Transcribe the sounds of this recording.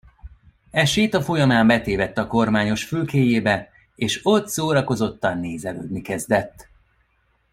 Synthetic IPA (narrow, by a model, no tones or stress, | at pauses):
ɛʃeːt̪ɒfo̞jɒmaːmbɛt̪eːvɛt̪ːɒko̞rmaːɲo̞ʃfylkeːjeːbɛ | eːʃo̞t̪soːɾɒko̞zo̞t̪ːɒnːeːzɛlø̰ːd̪nikɛzd̪ɛt̪ː